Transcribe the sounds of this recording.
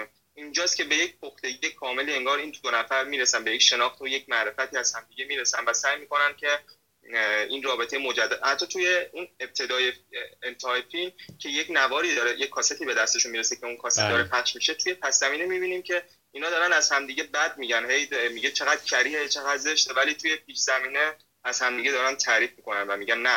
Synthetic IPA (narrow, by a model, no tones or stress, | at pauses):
ind͡ʒɒːst̪cʰe̞be̞je̞cpʰoxt̪e̞ije̞kʰɒːme̞lie̞ŋɡɒːɾiːnd̪onæfæɾmiːɾesænbeje̞cʃe̞nɒːxt̪oje̞cʰmæɾe̞fæt̪ʰiːæz̥hæmd̪iːɟemiːɾesænvæsæːjmiːko̞nænd̪̚cʲʰe̞ | inrɒːbe̞t̪ʰe̞jemo̞d͡ʒæd̪ːæd̪hæt̪ʰːɒːt̪ʰuje̞uneb̚t̪ʰe̞d̪ɒːjeent̪ʰːjfilmcʰe̞jecnævɒːɾiːd̪ɒːɾejecʲʰːɒːset̪ʰiːbe̞d̪æst̪e̞ʃunmiɾesecʰeunkʰɒːset̪d̪ɒːɾepʰæʃmiʃe̞t̪ʰuje̞pʰæszæmiːnemibiːniːmcʰe̞ | iːnɒːd̪ɒːɾænæzhæmd̪iːɟe̞bæd̪̚miɟænhe̞jmiɟe̞t͡ʃʰe̞ɣæd̪̥̚cʲʰæɾiːhet͡ʃʰe̞ɣæd̪ze̞ʃt̪evæliːt̪ʰuje̞p̚ʰiːʃz̥æmiːne | æz̥hæmd̪iɟe̞d̪ɒːɾænt̪ʰæɾiːfmikʰo̞nænvæmiːɟænnæ